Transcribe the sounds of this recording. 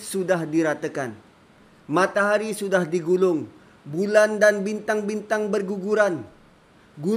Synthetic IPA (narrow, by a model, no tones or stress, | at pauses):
sudahdiɾat̪əkan | mat̪aɦaɾisudahdiɡulʊŋ | bulandanbint̪aŋbint̪aŋbərɡuɡuɾan | ɡu